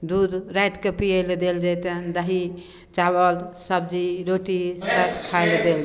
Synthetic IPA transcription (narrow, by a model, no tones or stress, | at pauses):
d̪ud̪ɾajt̪kepiəjld̪eld͡ʒajt̪end̪əɦi | t͡ʃaβəlsəb̚d͡ʒiɾoʈisəkʰajld̪el